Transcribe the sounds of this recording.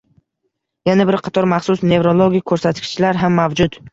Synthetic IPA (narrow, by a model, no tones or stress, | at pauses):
janabɪɾqʰɑt̪ʰɒɾmɑχsʊsne̞vɾolˠoɡʲik̚ʲʰːɵɾsat̪kʲɪ̥t͡ʃʰɪlaɾɦamːavd͡ʒʊt̪